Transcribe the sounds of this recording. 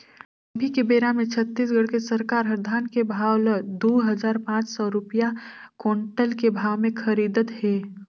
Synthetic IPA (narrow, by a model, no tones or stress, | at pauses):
əbʱikebeːɾamẽt͡ʃʰət̪ːiːs̬ɡəɽkesəɾkaːɾɦəɾd̪ʱaːnkebʱaːwləd̪oːɦəzaːɾpãːt͡ʃsɔɾʊpijakoːɳʈəlkebʱaːwmẽkʰɐɾiːd̪ət̪ɦɛː